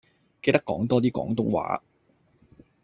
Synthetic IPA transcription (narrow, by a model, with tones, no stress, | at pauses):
ke˧jt̪ɐ˥kːɔ̰ː˨˥ŋt̪ɔː˥t̪iː˥kɔ̰ː˨˥ŋt̪ʊ˥ŋwa̰ː˨˥